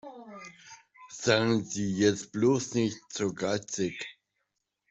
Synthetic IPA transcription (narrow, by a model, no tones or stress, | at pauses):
z̥aːɡŋ̩ziːjɛt͡st̚b̥loːsnɪçtz̥oːɡaɪt͡sɪk